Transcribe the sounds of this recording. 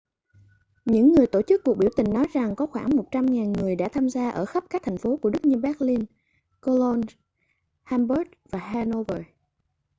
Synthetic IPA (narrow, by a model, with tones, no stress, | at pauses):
ɲɨ̰˧˥ŋːɨ˨˩əjt̪o˧˩t͡ɕɨ˦˥kːu˨˩əɓi˧˩əwt̪ï˨˩ŋ̟nɔ˨˦jza˨˩ŋkɔ˨˦xwaː˧˩ŋmo˨˩t̚t͡ɕa˧mŋaː˨˩nŋɨ˨˩əjɗa̰˧˥t̪ʰaː˧mzaː˧ʔəː˧˩xə˦˥p̚kaː˦˥k̚t̪ʰa˨˩ŋ̟fo˨˦ku˧˩əɗɨ˦˥k̚ɲɨ˧ɓaː˦˥k̚li˧n | ko˧lɔ˧n | haː˧mbə˦˥t̚vaː˨˩haː˧no˧vəː˨˩